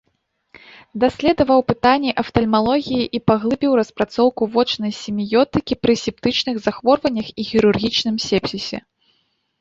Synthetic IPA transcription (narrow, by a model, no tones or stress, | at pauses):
d̪asʲlʲɛd̪ɐvɐwpɨt̪anʲːiʔɐft̪ɐlʲmalˠɔɣʲijiʔipaɣlˠɨbʲiwrɐspɾat̪sɔwkuvɔt͡ʂnɐjsʲimʲijɔt̪ɨkʲipɾɨsʲip̚t̪ɨt͡ʂnɨɣzaxvɔrvɐnʲːɐxixʲiɾurɣʲit͡ʂn̪ɨmsʲɛpsʲisʲɛ̰